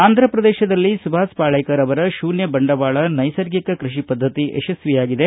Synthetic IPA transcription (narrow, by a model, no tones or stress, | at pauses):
aːnd̪ʱɾɐpɾɐd̪ɛːʃɐd̪ɐlːisubʱaːspaːɭɐjkɐɾɐʋɐɾɐʃuːnjɐbɐɳɖɐʋaːɭɐnɐjsɐɾɡikɐkɾiʃipɐd̪ʱːɐt̪iʔeʃɐsʋijaːɡid̪e